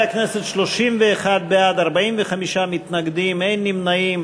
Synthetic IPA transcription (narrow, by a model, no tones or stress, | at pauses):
aknɛset̪ʃloʃimveːχad̪̚bead̪aʁbaimvəχamiʃamit̪naɡd̪imejnːimnaim